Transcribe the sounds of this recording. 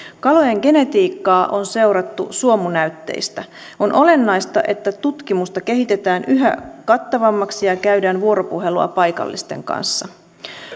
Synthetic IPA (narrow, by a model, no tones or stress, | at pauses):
kɑlo̞jeŋɡe̞ne̞t̪iːkːɑːʔonse̞wɾɑt̪ːṵsuo̞munæyt̪ːe̞̰jst̪æ | o̞nʔo̞le̞nːɑjst̪ɑ̰ʔe̞t̪ːæt̪ut̪kimust̪ɑke̞ɦit̪e̞t̪æːnyɦæ̰kɑt̪ːɑʋɑmːɑksijɑkæɥdæːnʋuo̞ɾo̞puɦe̞luɑ̰pɑjkɑ̰lːḭst̪e̞̰ŋkɑ̰nsːɑ